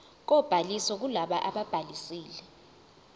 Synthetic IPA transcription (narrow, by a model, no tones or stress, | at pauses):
k̬ɔb̥ʱalisɔk̬ulaɓaʔaɓab̥ʱalisiːlɛ